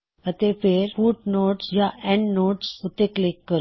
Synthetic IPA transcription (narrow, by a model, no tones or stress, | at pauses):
ət̪efeɾfuːʈnoːʈsjaʔɛ̃ɳɖnoːʈsut̪eklikːəɾ